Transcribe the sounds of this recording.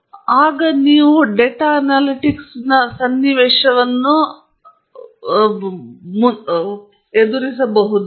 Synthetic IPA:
aːɡɐniːʋuɖeʈaɐnaːliʈiksnɐsɐnːiʋɛːʂɐʋɐnːu | mu | ed̪uɾisɐbɐɦud̪u

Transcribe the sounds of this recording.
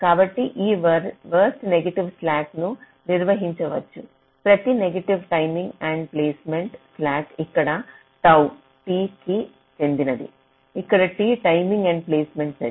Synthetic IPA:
kaːbɐʈːiʔiːʋɐʋɐɾsʈneɡeʈiʋslaːʈnu | niɾʋɐɦiɲt͡ʃɐʋɐt͡ʃːu | pɾɐt̪ineɡeʈiʋʈɐjmĩŋɡɐɳɖpleːsmeɳʈslaːʈikːɐɽɐ | t̪ɐw | ʈiːki | t͡ʃend̪inɐd̪ḭ | ikːɐɽɐʈiːʈɐjmiŋɡɐɳɖpleːsmeɳʈse

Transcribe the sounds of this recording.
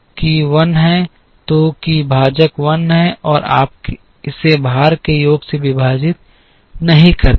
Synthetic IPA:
kiʋɐnɦɛ̃ | t̪okibʱaːd͡ʒəkʋɐnɦɛ̃ʔɔːɾa̰ːp̚k | ɪsebʱaːɾkejoːɡseʋɪbʱaːd͡ʒɪt̪̚ | nɐɦĩkɐɾ

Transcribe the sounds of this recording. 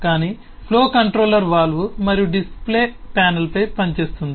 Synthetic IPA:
kaːniː | pʰloːkɐɳʈɾoːlːɐɾʋaːlʋumɐɾijuɖisple̞ːpaːnɐlpɐjpɐɲt͡ʃe̞ːst̪und̪i

